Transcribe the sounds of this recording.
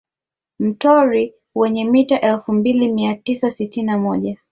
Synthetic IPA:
m̩tɔɾi | wɛɲɛmitaʔɛlfumbilimiatisasitininamɔʄa

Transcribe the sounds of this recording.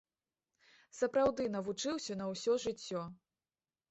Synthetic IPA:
sɐpɾawd̪ɨn̪ɐvut͡ʂɨwsʲɐnɐwsʲɔʐɨt͡sʲːɔ

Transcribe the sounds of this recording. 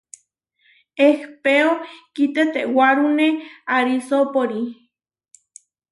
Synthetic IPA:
ehpeokit̪et̪ewaɾuneaɾisopoɾi

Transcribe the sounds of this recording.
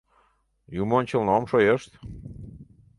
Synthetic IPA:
jumonʲt͡ɕəlnomʃojeʃt̪

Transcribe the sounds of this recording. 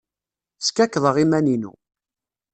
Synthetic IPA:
skækːðˤəʁimæninṵ

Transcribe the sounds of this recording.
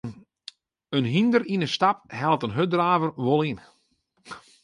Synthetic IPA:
ənɦindəɾinəstap̚hɛlˠtənɦødraːvərʋolˠin

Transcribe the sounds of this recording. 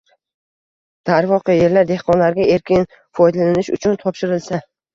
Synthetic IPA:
d̪̥aɾvɒqʰɨje̞ɾlaɾd̪e̞hqɒnlaɾɡʲae̞ɾkʲɪn | fɒjd̪alanɪʃʊ̰t͡ʃʰʊnt̪ʰɒpʃɪɾɪlsa

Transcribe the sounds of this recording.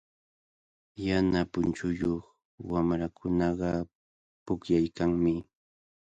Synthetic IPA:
janapʊnt͡ʃʊjoχ | wamɾakʰʊnɑɢɑ | pʊkjajkaŋmɪ

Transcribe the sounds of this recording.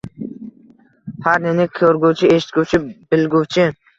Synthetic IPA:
pʰaɾnɪnɪkʲʰɵɾɡuwt͡ʃʰɪeʃɪ̥t̪̚kʲowt͡ʃʰɪb̥ɪlɡʲuwt͡ʃʰɪ

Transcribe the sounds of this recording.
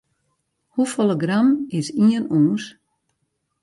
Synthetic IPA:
hufolˠəɡramɪsiənuːns

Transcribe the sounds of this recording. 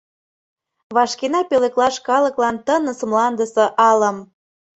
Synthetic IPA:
βɑʃkenɑpeleklɑʃkɑləklɑnt̪ənəsəmlɑnd̪əsɤ̆ʔɑlə̆m

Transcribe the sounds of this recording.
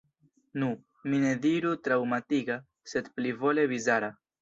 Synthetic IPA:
nu | mine̞diɾutɾawmatiɡa | se̞d̪plivo̞le̞vizaɾa

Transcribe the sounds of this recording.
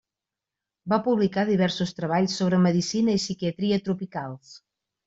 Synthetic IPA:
bapuβlikaðiβɛɾsust̪ɾəβ̞aʎsːoβ̞ɾəməðisinəisikiət̪ɾiət̪ɾupikalˠs

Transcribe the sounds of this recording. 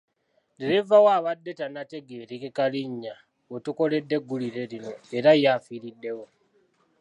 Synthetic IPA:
deɾevawaːβadːe̞tanate̞ɡe̞ɾikekaliɲːa | otuko̞le̞dːe̞ɡːuliɾe̞ɾino̞eɾajafiɾidːe̞wo̞

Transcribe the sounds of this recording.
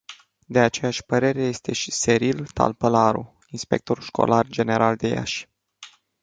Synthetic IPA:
d̪e̞at͡ʃe̞jaʃʲpəɾe̞ɾe̞je̞st̪e̞ʃi̥se̞ɾilt̪a̰lpəlaɾṵ | inspe̞̰k̚t̪o̞ɾulʃko̞̰lʔard͡ʒe̞ne̞ɾʔald̪e̞ja̰ʃʲ

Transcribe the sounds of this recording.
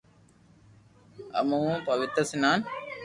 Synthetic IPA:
ɐ̰mɐʋũpɐʋit̪ɾɐsinaːn

